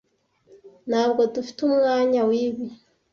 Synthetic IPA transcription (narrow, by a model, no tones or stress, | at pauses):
naβɡotufi̥tumŋaɲawiβi